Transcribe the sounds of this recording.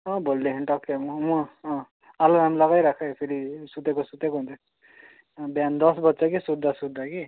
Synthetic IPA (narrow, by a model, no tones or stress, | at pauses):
ʌ̃bold̪eɦinʈʌkːemumũ | aloamlʌɡajɾakʰajpʰeɾisut̪ekosut̪ekoɦnt̪ʰe | bjand̪ʌsbʌtːsaɡisud̪ʱːasud̪ʱːaki